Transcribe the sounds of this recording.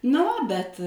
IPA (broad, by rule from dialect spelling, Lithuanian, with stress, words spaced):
nɐ ˈʋɐ bʲɛt